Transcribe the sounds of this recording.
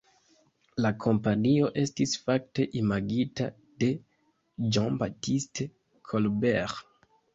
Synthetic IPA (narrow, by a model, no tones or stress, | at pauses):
lakʰo̞mpanio̞ʔe̞stisfak̚te̞ʔimaɡita̰ | d̥e̞ | d͡ʒɔnbatiste | kʰolbeʁ